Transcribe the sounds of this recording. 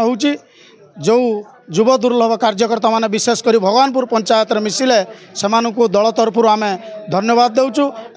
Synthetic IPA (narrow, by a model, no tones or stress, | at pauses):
ɦewt͡ʃʰi | d͡ʒew | d͡ʒubɔd̪uɾlɔbɔkaɾd͡ʒɔkɔɾt̪amanebisesɔ̥kɔɾibʱɔɡanɔp̬uɾpɔnt͡ʃajɔt̪ɾɔmisilesemanɔŋkud̪ɔɭɔt̪ɔɾpʰɔɾuamed̪ʱɔnjɔbad̪̚ːewt͡ʃʰu